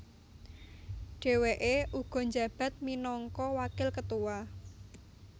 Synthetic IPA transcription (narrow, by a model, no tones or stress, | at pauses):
ɖ̥e̤weʔeʔuɡ̥ɔ̤ɲd͡ʒä̤b̥ä̤t̪̚minɔŋkɔwakɪlkət̪uwa